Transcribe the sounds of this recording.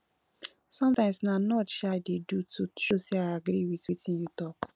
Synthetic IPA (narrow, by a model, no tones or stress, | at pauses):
sɔ̃mtãɪ̃msnanɔtʃadedututɹoseaɪaɡɾiwitwitĩnjutɔk